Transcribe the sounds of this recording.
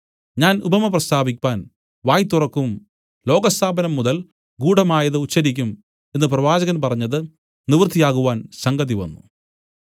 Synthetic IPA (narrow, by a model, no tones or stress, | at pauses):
ɲaːnubɐmɐprɐst̪ʰaːbikʲːaːn | ʋaːjt̪ːurɐkːum | lo̞ːɡɐst̪ʰaːbɐnɐmːuðɐl | ɡuːɽɐmaːjɐðɨut͡ɕːɐɾikʲːum | e̞nːɨprɐʋaːd͡ʑɐɣɐnpɐrɐɲːɐðɨ | niʋrt̪ʰːijaːɣuʋaːnsɐŋɡɐðiʋɐ̰nːṵ